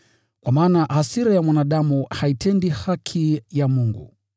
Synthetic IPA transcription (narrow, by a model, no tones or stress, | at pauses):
kwamaːnahasiɾajamwanaɗamuhaitʰɛndihakʰijamuŋɡṵ